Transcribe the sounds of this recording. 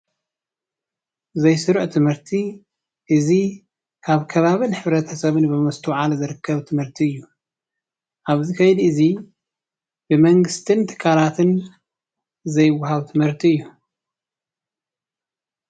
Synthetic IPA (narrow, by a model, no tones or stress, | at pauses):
zɐjsɨɾʕt̪ʰɨmhɨɾt̪ʰi | ʔɨzi | kʰaβkʰɐβaβɨnħɨβɾɐt̪ʰɐsɐβɨnbɨmɐst̪ʰuwʕalzɨɾɨkːɐβt̪ʰɨmhɨɾt̪ʰiɨjːu | ʔaβzikʰɐjd̪iʔɨzi | bɨmɐŋɡɨst̪ʰɨnt̪ʰɨ̥kʰːalat̪ʰɨn | zɐjwːahaβt̪ʰɨmhɨɾt̪ʰiɨjːu